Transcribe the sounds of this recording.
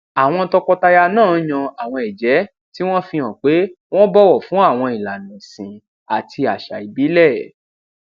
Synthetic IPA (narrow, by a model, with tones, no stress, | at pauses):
a˨w̃ɔ̃˧tɔ˧kɔ˧ta˧ja˧nãː˦˨˦jã˧a˨w̃ɔ̃˧ɛ˨d͡ʒɛ˨˦ | ti˦w̃ɔ̃˦fĩ˧ɔ̃˨k͡pe˨˦w̃ɔ̃˦bɔ˦wɔ˦˨fũ˨˦a˦˨w̃ɔ̃˧i˨la˨nĩ˨sĩ˨ | a˨tʰi˧a˨ʃa̰˨i˨bi˨˦lɛ˦˨